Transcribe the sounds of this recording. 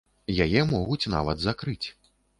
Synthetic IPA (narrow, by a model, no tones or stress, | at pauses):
jajɛmɔɣut͡sʲna̰vɐd̪zakɾɨt͡sʲ